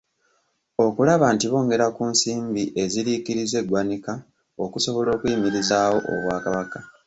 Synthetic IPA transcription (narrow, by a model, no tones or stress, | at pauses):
o̞kulaβaːntiβo̞ːŋɡe̞ɾakuːnsiːmbiʔe̞ziɾikiɾize̞ɡwanika | o̞kuso̞βo̞lo̞ːkwiːmiɾizaːwo̞ʔo̰βwaːkaβaka